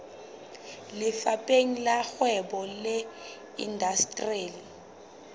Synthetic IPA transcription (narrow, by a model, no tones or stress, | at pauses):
lɪfapʼeŋ̩laxwɛbɔlɛ | ḭndastʼreːli